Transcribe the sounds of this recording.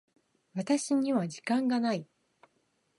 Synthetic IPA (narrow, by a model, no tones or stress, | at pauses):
βat̪aɕiɲ̟iβad͡ʑikãŋɡanai